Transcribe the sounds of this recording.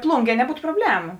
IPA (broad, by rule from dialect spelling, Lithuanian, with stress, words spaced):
ˈplˠuːŋʲˌɡʲiɛ nʲɛˈbuːtʊ proːˈbʲlʲæːmʊ